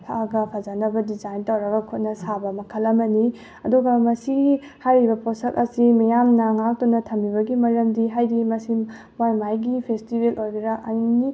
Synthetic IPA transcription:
pʰaɡɐpʰazanɐbɐdizajntɐwɾɐɡɐkʰut̚nɐsabɐmɐkʰɐlːɐmɐni | ɐduɡɐmɐsiɡ | hajɾibɐposɐkɐsimɐjamnɐŋak̚tunɐtʰɐmːiβɐɡimɐɾɐmdiɦajɾimɐsi | majmajɡipʰestibelʔojbiɾaʔɐni

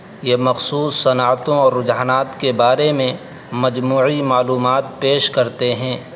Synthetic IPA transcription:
jemɐxsuːsːɐnaːt̪õɔːɾːʊd͡ʒɦaːnaːt̪kebaːɾemẽ | mɐd͡ʒmuːʕimaːluːmaːt̪̚peːʃkɐɾt̪eɦɛ̃ː

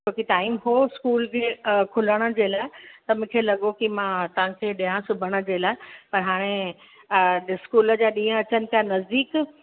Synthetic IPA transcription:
okit̪aːimɦoɪskuːlkʰekʰʊləɽ̃ə̆d͡ʑeːlaːɪt̪ɐmʊ̃ːkʰeːlɐɠokimãt̪ɐʋ̤ãkʰeːɗijãsʊbʱəɽ̃ə̆d͡ʑeːlaːɪpɐɾɦaːɽ̃e | skuːlə̆d͡ʑaːɗĩːə̃ɐt͡ɕənɪ̆k̪janɐzd̪iːk

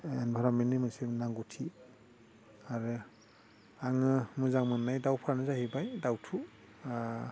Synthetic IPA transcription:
enbʱaɾamenimɯnsinaŋɡutʰi | aɾɯ | aŋɯmɯzaŋmɯnnajdawpʰaɾanɯzahibajdawtʰu

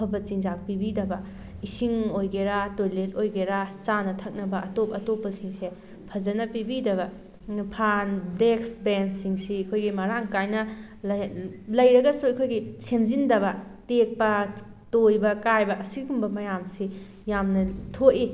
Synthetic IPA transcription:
ɐpʰɐbɐt͡ʃiŋd͡ʒak̚pibidɐbɐ | isiŋojɡeɾatojlet̚ojɡeɾat͡ʃanɐtʰɐk̚nɐbɐɐtop̚ɐtopːɐsiŋse | pʰɐzɐnɐpibidɐβɐ | pʰandeksbensiŋsiɐkʰojɡimɐɾaŋkajnɐ | lɐjɾɐɡɐsuɐjkʰojɡisemzindɐβɐtek̚pɐ | tojbɐkajbɐʔɐsiɡumbɐmɐjamsi | jamnɐtʰoʔi

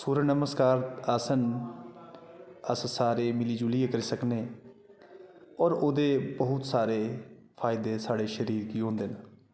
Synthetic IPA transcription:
suːɾənəməskaːɾasən | əssaːɾeːmɪliːd͡ʒuliːekəɾiːsəkneː | ɔːɾoːd̪eːbəɦʊt̪saːɾeː | pʰaːɪd̪eːsaːɽeːʃəɾiːɾkiːɦõːnd̪eːnə

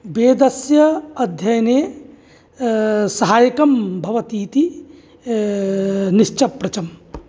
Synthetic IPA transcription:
beːd̪ɐsjɐɐd̪ʱjɐjɐneː | sɐɦaːjɐkɐmbʱɐʋɐt̪iːt̪i | niʃt͡ʃɐpɾɐt͡ʃɐm

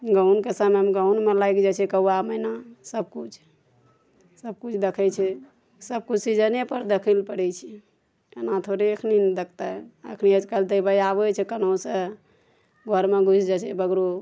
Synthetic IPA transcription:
ɡənkesamemɡəunmelajkd͡ʒɛt͡ʃʰɛkəuamənasəb̚kut͡ʃʰ | səb̚kut͡ʃʰd̪ekʰɛt͡ʃʰɛ | səb̚kut͡ʃʰsid͡ʒənepəɾd̪ekʰəlpəɽɛt͡ʃʰi | ənat̪ʰoɾeəkʰnind̪ek̚ʰt̪aə̰kʰniəd͡ʒkəlt̪əbəjabɛt͡ʃʰɛkənõsə | ɡʱəɾmeɡʱut͡ʃʰd͡ʒat͡ʃʰɛbəɡɾo

